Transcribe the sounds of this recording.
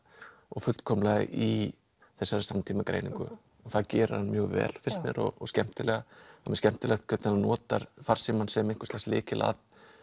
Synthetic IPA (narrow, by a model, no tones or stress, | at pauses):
ɔɣfʏlt̪kʰɔːmlaɣɪ̰ʔi | θɛsːaɾɪsamt̪ʰiːmakɾḛjnḭŋkʏ̰ | ɔθaðcɛːɾʏ̰ɾ̥hanmjœːɣvɛ̰ːlfɪr̥st̪nɛ̰ɾɔ̰ɣɔscɛm̥t̪ɪlɛɣaamɛscɛm̥t̪ɪlɛxt̪kʰœt̪ananɔːt̪aɾfaɾ̥siːmansɛmejŋ̥kʏ̥ɾslaxslɪːcɪla̰ð